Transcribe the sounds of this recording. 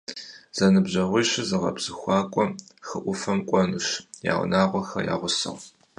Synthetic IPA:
z̥ɐnɨbʑɐʁʷijɕɪzɨʁɐ̰bz̥ɨxʷɑːkʷʼɔxɨʔʷʊfɐmkʷʼɔnɨɕja̰ːʁ̰ʷnaːʁʷɔxɐ̰ja̰ːʁʷʊsɨ̰ʁ

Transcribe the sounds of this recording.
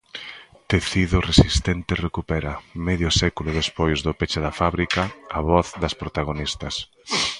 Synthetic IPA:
t̪eθiðʊresist̪ent̪ɪrekupɛɾɐmɛðjʊsɛkulʊðespojzðʊpet͡ʃɪðɐfaβɾikɐɐβɔθðɐspɾot̪aɣ̞onist̪ɐs

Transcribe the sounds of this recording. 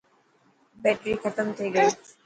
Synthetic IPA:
bɛːʈɾiːxət̪əmt̪ʰeːɡəiː

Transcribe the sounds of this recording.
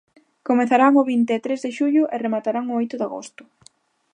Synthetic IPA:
komeθaɾaŋʊβint̪eɛt̪ɾezðeʃuʎʊʔeremat̪aɾaŋoojt̪ʊðaɣo̰st̪ʊ̥

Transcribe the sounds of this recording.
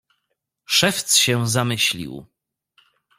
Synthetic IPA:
ʂɛft̪sɕɛ̃zamɘɕlʲḭw

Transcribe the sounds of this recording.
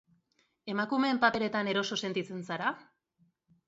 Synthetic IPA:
e̞makume̞ːmpape̞ɾe̞t̪ane̞ɾo̞so̞se̞nt̪it͡se̞nsaɾa

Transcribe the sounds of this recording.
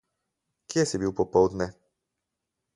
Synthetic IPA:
kjesibiwpɔpɔwd̪nɛ

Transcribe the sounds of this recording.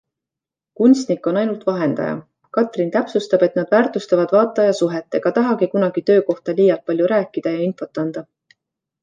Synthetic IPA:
kunst̪nikːo̞nɑjnult̪vɑɦe̞nd̪̥ɑ̰jɑ̰ | kɑt̪ˑrint̪æpsust̪ɑb̥e̞t̪nɑd̪̥væːrt̪ust̪ɑvɑd̪̥vɑːt̪ːˑɑjɑsuɦet̪ːˑeɡ̥ɑt̪ɑɦɑɡikunɑɡ̥it̪ø̞ːko̞ht̪ɑliːjɑlt̪̚pɑlʲjuɾæːkːˑid̪̥ɑjɑinfo̞t̪ːˑɑnd̪̥ɑ

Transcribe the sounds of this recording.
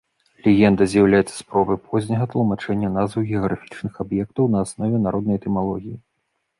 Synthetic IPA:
lʲɛɣʲɛnd̪ɐzʲjɐwlʲajɛt̪sːɐ̥spɾɔbɨpʰɔzʲnʲɐɣɐt̪lˠumat͡ʂɛnʲːɐnazvɨwɣʲɛɐɣɾafʲi̥t͡ʂnɨxabjɛkt̪ɐwnɐːsnɔvʲɛnaɾɔd̪nɐjt̪ɛmalˠɔɣʲiji

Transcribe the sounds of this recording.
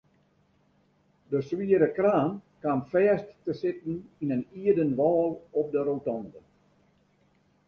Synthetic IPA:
dəswiəɾəkraːnkamfɛːstːəsɪtn̩inəniədənʋɔːlˠɔp̚dəɾotɔndə

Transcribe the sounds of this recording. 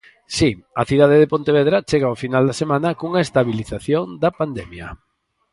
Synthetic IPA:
siɐθiðað̞eðepont̪eβeðɾat͡ʃeɣaofinald̪ɐsemãnɐkuŋaest̪aβiliθaθjoŋd̪ɐpand̪ɛmjɐ̰

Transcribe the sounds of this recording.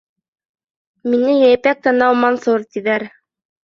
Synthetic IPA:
minɘjæjpæk̚t̪ɑnɑwmɑnsuɾt̪iðæɾ

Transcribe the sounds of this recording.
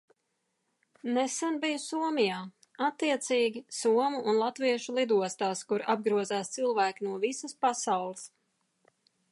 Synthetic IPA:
nesanbijusuɔmijaː | at̪ːiɛt̪siːɡʲisuɔmuːnlˠat̪viɛʃulˠid̪uɔst̪aːskuɾab̚ɡɾuɔzaːst̪silˠvæːkinuɔvisəspasawlˠəs

